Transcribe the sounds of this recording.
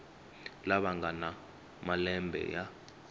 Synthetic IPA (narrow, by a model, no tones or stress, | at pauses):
laɓaŋɡʱana | malɛmbʱɛ̰ja